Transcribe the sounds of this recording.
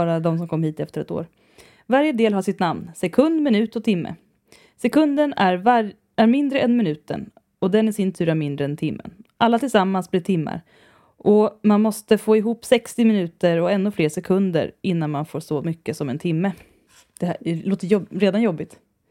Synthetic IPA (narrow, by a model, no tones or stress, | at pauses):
ɑːɾad̪ɔmsɔmkʰɔmːɦiːt̪ɛft̪əɾɛt̪o̰ːɾ | vaɾjəd̪eːlɦaʂɪt̪namnsɛkʰɵnd̪mɪnʉ̟ːt̪ɔt̪ʰɪmːə̰ | sɛkʰɵnd̪ənæɾva | æɾmɪnd̪ɾəɛnmɪnʉ̟ːt̪ə̰n | ɔd̪ɛnɪsɪnt̪ʰʉ̟ːɾæɾmɪnd̪ɾəɛnt̪ʰɪmːə̰nʔalːat̪ʰɪlsamːansblɪɾt̪ʰɪmːa̰ɾ | ʔɔmanmɔst̪əfoːɪɦuːpːsɛkst̪ɪmɪnʉ̟ːt̪əɾɔɛnːʊfleːʂɛkʰɵnd̪ə̰ɾɪnːanmanfoːʂɔmʏkːəsɔmɛnt̪ʰɪmːə | d̪̥ɛloːt̪əjɔɾeːd̪anjɔbːɪt̪